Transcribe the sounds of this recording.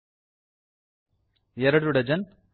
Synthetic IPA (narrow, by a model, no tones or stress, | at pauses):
jɛɾɐɽɯɽɐd͡ʒɐn